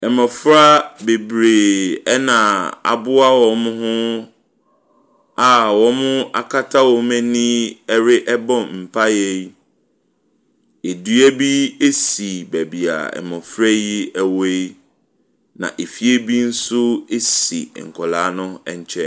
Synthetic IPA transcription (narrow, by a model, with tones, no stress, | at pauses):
ɛ˨mɔ̃˨fɾa˦be˨bɾe˨ɛ˦nã˨a̰˨bʊ˦a˦wɔ˨mʊ̃˦ɦʊ̃˦ | a˨wɔ˨mʊ̃˦a̰˨kʰa˦tʰa˦wɔ˨mɛ̃˦nĩ˦ɛ˦ɾɪ˦ʔɛ˦bɔ̃˦˨mm̩˨pʰa˦jɛ˦ | e˨dɥɛ˦bi˦e˦si˨bæ˨bi˨a̰˨ɛ̰˨mɔ̃˨fɾa˦jɪ˦˨we˦j | nã̰˨ʔe˨fi˦e˦bi˦n̩˦sʊ˦e˦sḭ˨ŋ̩˨kʰɔ˨la˨˦nʊ̃˦ɛ˨ɲ˨t͡ɕʰɛ˦